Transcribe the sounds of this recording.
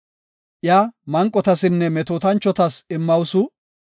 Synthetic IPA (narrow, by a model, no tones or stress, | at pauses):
ʔjaːmɐŋkʼːɔt̪ɐsɪnːɛmɛt̪oːt̪ɐnt͡ʃːɔt̪ɐsɪmːɐwsʊ